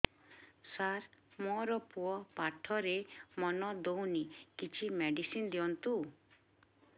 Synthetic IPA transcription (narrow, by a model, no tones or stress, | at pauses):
saɾmɔɾɔpuɔpaʈʰɔɾemɔnɔd̪ownikit͡ʃʰimeɖisind̪iɔnt̪u